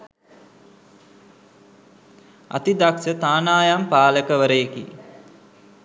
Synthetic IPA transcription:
a̰t̪id̪aksət̪aːnaːjampaːləkəʋəɾəjekḭ

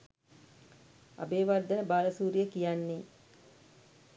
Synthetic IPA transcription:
a̰beːʋard̪əbaːləsuːɾijəkijanːe

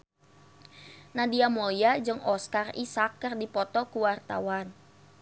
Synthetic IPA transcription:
nadiamɔjad͡ʒɨŋʔɔskarḭsakːərdipɔt̪ɔkuwart̪a̰wan

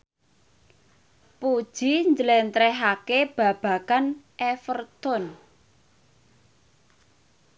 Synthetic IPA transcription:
pud̥ʒ̥iɲd͡ʒəlɛnt̪ɾɛɦakeb̥ä̤b̥a̤kanʔɛfərt̪ʊn

